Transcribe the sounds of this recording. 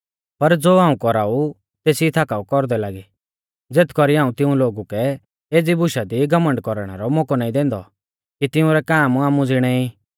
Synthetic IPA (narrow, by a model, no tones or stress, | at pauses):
pɐɾd͡zoːaːũkɔɾaːu | t̪eːsiit̪ʰaːkaːukɔɾd̪ɛlaːɡi | d͡zeːt̪ʰkɔɾiãːũt̪ɪ̃ũloːɡukɛ | eːd͡zibʱʊʃad̪iɡɐmə̃ɳɖkɔɾɽ̃ɛ̰ɾɔmɔkɔnaːĩd̪ɛ̃ːnd̪ɔ̰ | kit̪ɪũɾɛkaːmaːmũd͡zɪɽ̃ɛi